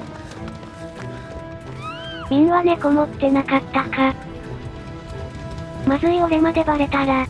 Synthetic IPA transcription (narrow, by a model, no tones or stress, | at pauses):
mʲĩnane̞ɡo̞mot̪ːe̞nakat̪ːaka | mazɨioɾe̞mad̪e̞baɾe̞t̪aɾa